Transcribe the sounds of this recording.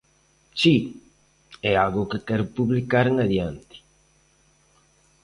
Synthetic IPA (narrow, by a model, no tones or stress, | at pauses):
t͡ʃi | ɛalɣʊkekɛɾʊpuβlikaɾŋaðjant̪i̥